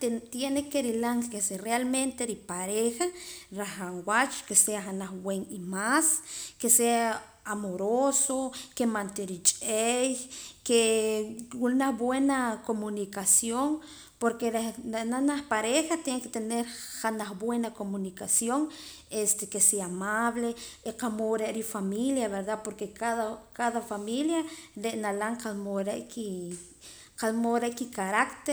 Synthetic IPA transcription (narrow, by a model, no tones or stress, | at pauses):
t̪t̪jenekeɾilaŋseserealment̪eɾipaɾexaɾaxaŋwat͡ʃo̥keseaχanaxwweŋimaskesea | amoɾosokemant̪eɾit͡ʃʼejke | wulnaxbwenakomunikasjoŋ | poɾkeɾeenanaxpaɾexat̪jeŋket̪eneɾχanaχbwenakomunikasjoŋ | est̪ekeseamaβleiqamoɾeʔɾifamiljaβeɾd̪apoɾkekaðakaðafamiljaɾeʔnalaɴqalmoɾeʔki | qalmoɾeʔkikaɾakt̪e